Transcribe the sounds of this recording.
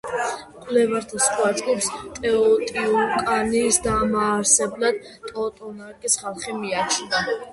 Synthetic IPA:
qʼwlɛvaɾt̪ʰasχʼwazʼɡʼipst̪ʼɛɔt̪ʼiɔkʼaniːsd̪amaːɾsɛblˠad̪̥ | t̪ʼɔt̪ʼɔnaɾkʼisχalˠχimiat͡ʃʰina

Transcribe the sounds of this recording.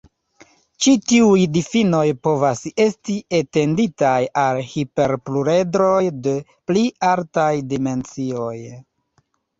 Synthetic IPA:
t͡ʃitiujdifino̞jpo̞vase̞stiete̞nditajalhipe̞ɾpluɾe̞dɾo̞jde̞ | plialtajdime̞nt͡sio̞j

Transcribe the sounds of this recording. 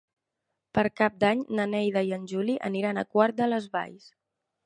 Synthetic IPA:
pəɾkap̚d̪aɲnənɛjðəiənʲʒuliʔə̰niɾanə̰kwaɾt̪̚d̪ələzβa̰js

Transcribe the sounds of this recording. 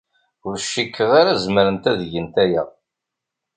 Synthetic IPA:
ʊɾʃikːəʁaɾæzməɾənt̪æðʝənt̪æjæ̰

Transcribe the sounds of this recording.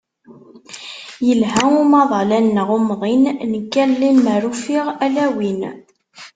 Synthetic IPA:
jəlɦæʊmɑðˤɑlænːʁʊmðˤinnəkːælːinməɾufiʁælæwin

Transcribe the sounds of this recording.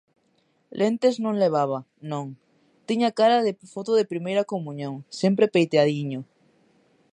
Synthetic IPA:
lʔent̪eznõŋleβ̞aβ̞a | nõŋ | t̪iɲakaɾaðefot̪oðepɾimejɾakomũɲõŋsempɾepejt̪eaðiɲo

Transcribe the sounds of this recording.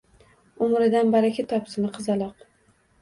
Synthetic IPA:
ʊmɾɪd̪anbaɾakʲʰat̪ʰɒpsɪnɪqʰɨzɑlˠɒq

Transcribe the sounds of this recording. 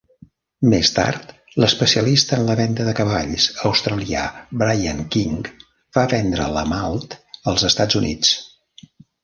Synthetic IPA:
mest̪a̰ɾt̪ | ləspəsiəlist̪əːnləβɛnd̪əðəkəβaʎsəwst̪ɾəlia̰bɾajəŋkiŋ | baβɛnd̪ɾə̰ləmalˠt̪əlˠzəst̪ad͡zunʔḭt͡s

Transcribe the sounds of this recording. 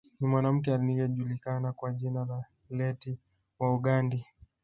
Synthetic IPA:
nimwanam̩k̬ɛalinijɛʄulikanakwaʄinala | lɛti | wauɠandi

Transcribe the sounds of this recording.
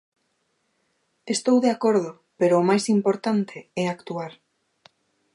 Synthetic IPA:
est̪owðeakoɾðʊ | peɾʊːmajsimpoɾt̪ant̪ʰeɛakt̪uaɾ

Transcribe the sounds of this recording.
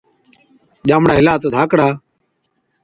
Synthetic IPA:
ʄaːmɽaːɦɪlaːt̪ːd̪ʱaːkɽaː

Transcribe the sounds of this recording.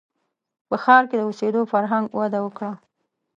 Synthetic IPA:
pəxɑɾked̪əosed̪ofaɾɦaŋɡwad̪awəkɽa

